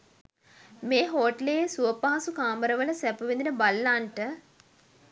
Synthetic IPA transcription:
meːɦoːʈlejesuəpaɦasukaːməɾəʋələsɛpuʋend̪inəbalːaːɳʈə

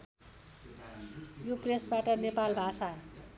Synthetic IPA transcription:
jopresbaʈʌnepalbʱasa

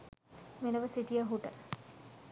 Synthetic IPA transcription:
menəʋəsiʈijəɦuʈə

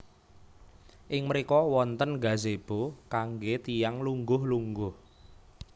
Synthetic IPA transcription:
ʔɪŋməɾikɔwɔnt̪ənɡa̤zeb̥okaŋɡet̪ijaŋluŋɡʊhluŋɡʊh

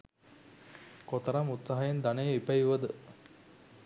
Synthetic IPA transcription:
kot̪əɾamut̪saɦajend̪anejəipəjuʋəd̪ə

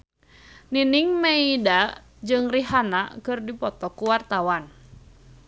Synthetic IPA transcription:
niniŋmeida | d͡ʒɨŋriɦanakɨrdipɔt̪ɔkuwart̪awan

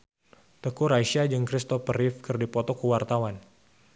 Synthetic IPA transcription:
t̪əkuɾaiʃiad͡ʒɨŋkɾist̪ɔfəɾifkɨrdipɔt̪ɔkuwart̪awan

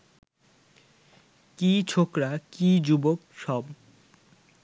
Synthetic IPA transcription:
kit͡ɕʰokɾakid͡ʑubokʃɔb

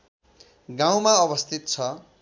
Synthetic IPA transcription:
ɡãw̃maʌbʌst̪ʰit̪t͡sʰʌ

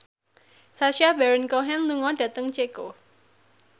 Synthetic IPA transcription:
saʃabɛɾənkoɦɛnluŋɔɖ̥ä̤t̪əŋt͡ʃeko

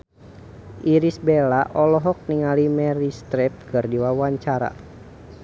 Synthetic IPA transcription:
ʔiɾisbelaʔɔlɔɦɔk̚niŋalimɛɾist̪ɾɛp̚kɨrdiwawaɲt͡ʃaɾa̰

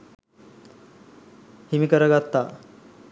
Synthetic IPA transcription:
himikəɾəɡat̪ːaː

